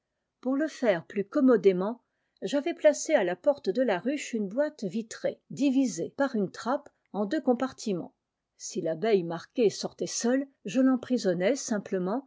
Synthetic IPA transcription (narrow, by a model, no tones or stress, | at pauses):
puʁləfɛʁplykɔmɔd̪emɑ̃ | ʒavɛplasealapɔʁt̪d̪əlaʁyʃynbwat̪vit̪χed̪ivizepaʁynt̪χap | ɑ̃d̪økɔ̃paʁt̪ʰimɑ̰̃ | silabɛjmaʁkʲesɔʁt̪ɛsœlʒəlɑ̃pχizɔnɛsɛ̃pləmɑ̃